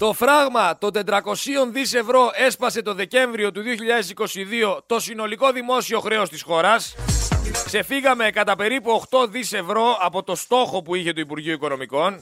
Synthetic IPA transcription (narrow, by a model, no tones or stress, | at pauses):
t̪o̞fɾɐɣmɐt̪o̞nd̪e̞t̪ɾɐko̞sio̞nðise̞vɾo̞e̞spɐse̞t̪o̞ðe̞ce̞ɱvɾio̞t̪uðio̞çiʎɐðe̞siko̞siðio̞t̪o̞sino̞liko̞ðimo̞sio̞xɾe̞o̞st̪isxo̞ɾɐs | kse̞fiɣɐme̞kɐt̪ɐpe̞ɾipuoxt̪o̞ðise̞vɾo̞ɐpo̞t̪o̞st̪o̞xo̞puiçe̞t̪uipuɾʝioiko̞no̞miko̞n